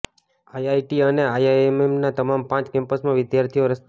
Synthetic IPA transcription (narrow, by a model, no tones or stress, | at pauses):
ajajʈiəneajaememnat̪əmampãt͡ʃkɛ̃mpəsmãʋɪd̪jaɾt̪ʰijoɾəst̪